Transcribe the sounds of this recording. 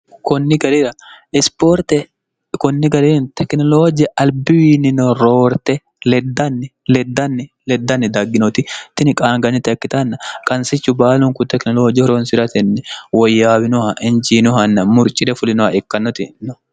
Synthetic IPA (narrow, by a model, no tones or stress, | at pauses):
kɔnːɪɡɐɾɪɾɐɪspoɾt̪ɛ | kɔnːɪɡɐɾiːnt̪ɛknɔloːd͡ʒɪɛʔɐlbɪwiːnɪnɔɾoːɾt̪ɛ | lɛd̪ːɐnːɪlɛd̪ːɐnːɪ | lɛd̪ːɐnːɪd̪aɡːɪnɔt̪ɪt̪ːɪnɪkʼaːŋɡɐnːɪt̪ɪɐkːɪt̪ɐnːɐkʼɐnsɪt͡ʃːʊbaːlʊŋkʊt̪ɛknɔloːd͡ʒɪhɔɾonsɪɾɐt̪ɛnːɛwɔjːaːbɪnʊhɐʔɪnd͡ʒiːnʊhɐnːɐmʊɾt͡ʃʼːɪᶑ̪ɛfʊlɪnʊhɐɛkːɐnːɔt̪ɪnːɔ